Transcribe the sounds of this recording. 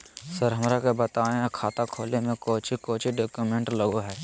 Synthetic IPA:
səɾɦɐmɾakebət̪aːejakʰaːt̪akʰoːlemẽkoːt͡ʃikoːt͡ʃiɖoːkjumẽɳʈləɡoɦɛː

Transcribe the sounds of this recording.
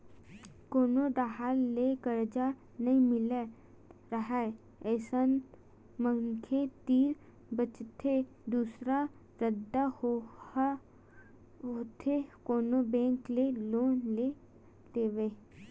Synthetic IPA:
koːnoɖaɦalːekəɾd͡ʒa | nəĩmɪle | ɾəɦɛ | ɛːsən | məŋkʰẽt̪iːɾ | bət͡ʃt̪ʰe | d̪uːsɾa | ɾəd̪aho | oːt̪ʰekoːnobɛ̃ːŋkleloːnle | d̪eːʋeː

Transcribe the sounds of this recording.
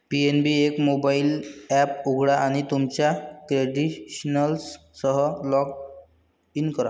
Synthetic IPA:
pienbiekmobailɛpuɡʱɽaʔːɽ̃it̪umt͡ɕjakɾeɖiɕnəls | səɦəlɔk̚ | inkəɾa

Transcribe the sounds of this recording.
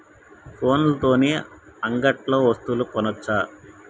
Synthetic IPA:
pʰo̞ːnlɐt̪o̞ːneːɐŋɡɐʈlo̞ːʋɐst̪ulukɔnɐt͡ʃːaː

